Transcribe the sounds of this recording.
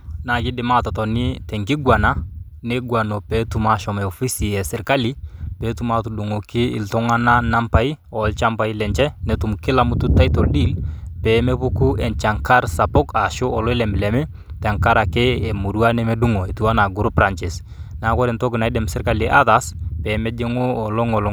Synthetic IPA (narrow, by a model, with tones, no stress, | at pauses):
na˨kɪ˦dɪ˨ma˦tɔ˨tɔ˨nɪ˦tɛ˨ŋkɪ˦ɡwa˨na˦ | nɛ˦ɡwa˨nɔ˨pɛ˨˦tu˨ma˨ʃɔ˨mɛ˨ɔ˨fi˦si˨ɛ˨sɪ˨ɾka˦li˦pɛː˨˦tu˨ma˨tu˨du˨ŋo˨kɪ˦ɪ̰˨ltɔ˦ŋa˦na˦na˦mpa˨i˦ɔ˨lt͡ʃa˦mpa˨i˦lɛ˨ɲt͡ʃɛ˦nɛ˨tu˨mkɪ˦la˨mu˦tu˦ta˦jtɔ˨ldi˦lpɛː˨mɛ˦pʊ˦ku˦ɛ˨nt͡ʃa˨ŋka˦ɾsa˨pɔ˦ka˨ʃʊ˦ʔɔ˨lɔ˦lɛ˨mɪ˨lɛ˨mɪ˦ | tɛ˨ŋka˦ɾa˨kɛ˦ɛ˨mu˨ɾwa˦nɛ˦mɛ˦du˦ŋo˨e˨tu˨a˦na˨ɡʊ˦ɾpɾa˨nt͡ʃɛ˨s | na˨˦kɔ˦ɾɛ˨ntɔ˦kɪ˨na˨˦dɛ˨msɪ˦ɾka˦li˨ʔa˦ða˨˦spɛː˨mɛ˦d͡ʒɛ˦ŋo˦ɔ˨lɔ˦ŋɔ˨lɔ˦